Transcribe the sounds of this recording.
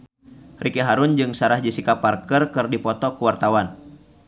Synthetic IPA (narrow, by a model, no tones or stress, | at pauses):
rʔikɛɦaɾʊnd͡ʒɨŋsaɾahd͡ʒisikapːarkərkɨrdipɔt̪ɔkuwart̪awan